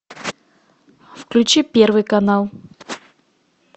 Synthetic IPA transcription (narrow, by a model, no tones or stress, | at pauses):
fklʲʉt͡ɕipʲervɨjkɐnalˠ